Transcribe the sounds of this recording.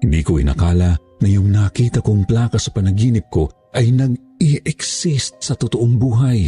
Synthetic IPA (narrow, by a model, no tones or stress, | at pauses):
hɪnd̪ikoʔɪ̰nɐ̰kaːlɐ | ŋɐjʊŋnɐkiːt̪ɐkoŋplaːkɐsɐpɐnɐɡiːnɪp̚ko̞ | ʔɐjnɐɡ̚ | iʔɛksɪst̪̚sɐt̪ot̪oʔoŋbuːɦɐj